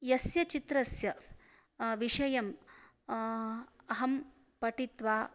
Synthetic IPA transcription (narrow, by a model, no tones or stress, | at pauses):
jɐsjɐt͡ʃit̪ɾɐsjɐ | ʋiʂɐjɐm | ɐɦɐm | pɐʈit̪ʋaː